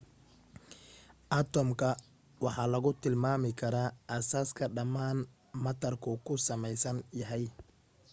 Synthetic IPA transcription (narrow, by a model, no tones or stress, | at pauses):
ʔɐt̪ʰɔmkʰɐ | wɑħɑːlɐɣʊt̪ʰɪlmaːmɪkʰɐɾaːʔɐsaːskʰɐɖɐmaːn | mɐt̪ʰɐrkʰʊkʰʊsɐmɛjsɐnjɐɦɛj